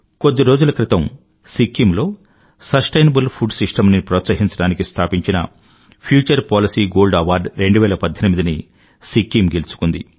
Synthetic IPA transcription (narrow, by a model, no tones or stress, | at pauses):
ko̞d̪ːiɾo̞ːd͡ʒulɐkɾit̪ɐm | sikːimlo̞ː | sɐsʈɐjnɐbulpʰuɖsiʂʈɐmnipɾɔːt̪sɐɦiɲt͡ʃɐɽaːnikist̪ʰaːpiɲt͡ʃinɐ̰ | pʰjuːt͡ʃɐɾpaːlisiːɡo̞ːlɖɐʋaːɾɖɾe̞ɳɖuʋɛːlɐpɐd̪ʱːɐnimid̪ini | sikːimɡelt͡ʃu̥kund̪ḭ